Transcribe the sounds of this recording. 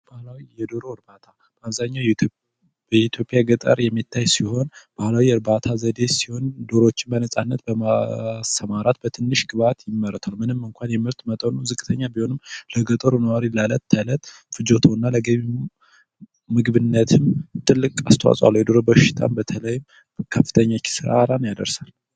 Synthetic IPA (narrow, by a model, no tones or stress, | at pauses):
b̥ahlawijɛd̪oɾoɾbat̪ʰa | b̥əaβzaɲːaw | bəit̪ʰjo̞pʼjaɡət̪ʼə̰ɾjɛmːit̪ʰːajsiho̞nb̥ahlawiɨɾbat̪ʰazəd̪e̞siho̞nd̪o̞ɾo̞t͡ʃːɪnbənəsʼanːət̪bəmasəmaɾat̪bət̪ʰɨnːɨʃɡɨβat̪jɪmːəɾːət̪ʰalmɨnɨmɨŋkʷʰanjɛmɨɾt̪mət̪ʼənuzɨkʼːɨt̪ʰəɲːabiho̞nɨmləɡət̪ʼəɾunəwaɾilalət̪ʰːələt̪ʼ | fɨd͡ʒo̞t̪ʰoɨnːaləɡəβi | mɨɡβɨnːət̪ʰɨmt̪ʰɨlːɨkʼa̰st̪ʰəwa̰sʼwa̰lːujɛd̪o̞ɾobəʃɪ̥t̪ʰa̰mbət̪ʰələjɪm | kʰəfːɨ̥t̪ʰəɲːat͡ʃːɪ̥sɨɾa̰ɾanjad̪ə̰ɾsal